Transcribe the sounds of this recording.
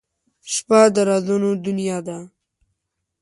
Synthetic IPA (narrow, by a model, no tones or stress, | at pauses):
ʃpad̪əɾazunod̪ʊnijɑd̪a